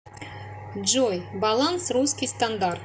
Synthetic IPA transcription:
d͡ʒojbɑlˠansruskʲist̪and̪art̪

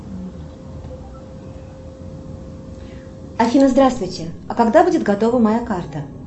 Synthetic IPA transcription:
ɐfʲinəzd̪ɾast̪vʊjtʲɪɐkɐɡd̪abudʲɪt̪ɡɐt̪ovəmɐjakart̪ə

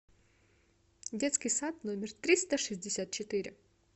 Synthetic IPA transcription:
dʲet̪skʲɪjsat̪nomʲɪrt̪ɾʲist̪əʂɨzʲdʲɪsʲat̪̚t͡ɕɪt̪ɪɾʲɪ

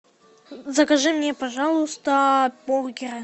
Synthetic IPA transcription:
zɐkɐʐɨmnʲepɐʐɑlˠʊst̪əborɡʲɪɾɨ

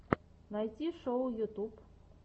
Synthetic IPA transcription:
najtʲiʂowjut̪up

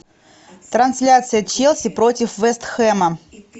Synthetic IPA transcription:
t̪ɾɐnsʲlʲat̪sɨjət͡ɕelˠsʲɪpɾo̞tʲɪfvɛst̪xɛmə

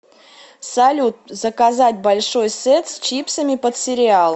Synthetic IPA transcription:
sɐlʲut̪̚zəkazatʲbɐlʲʂojsɛt̪st͡ɕipsəmʲɪpət̪sʲɪɾʲɪalˠ

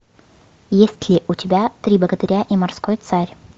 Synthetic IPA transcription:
jesʲtʲlʲɪʔʊtʲɪbʲat̪ɾʲiblˠəɡəd̪ɐɾʲaʔimɐrskojt̪saɾʲ

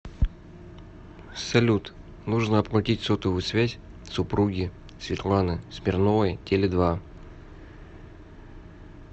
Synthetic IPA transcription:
sɐlʲut̪ | nuʐnəɐplˠʊtʲitʲsot̪əvʊsvʲæzʲ | sʊpɾuɡʲɪ | svʲɪt̪lˠanɨsmʲɪrnovəjtʲelʲɪd̪va

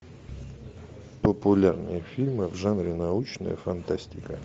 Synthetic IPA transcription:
pəpulʲarnɨjəfʲilʲmɨvʐanɾʲɪnaut͡ɕnə̰jə̰fant̪asʲtʲɪkə

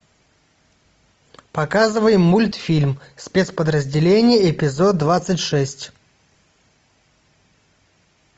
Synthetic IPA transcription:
pɐkazɨvəjɪmːulʲt̪fʲilʲmsʲpʲet̪spəd̪ɾəzʲdʲɪlʲenʲɪjəɪpʲɪzod̪̚dːvat̪sɨtʲʂɛsʲtʲ

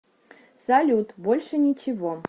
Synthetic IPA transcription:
salʲut̪bolʲʂənʲit͡ɕɪvo

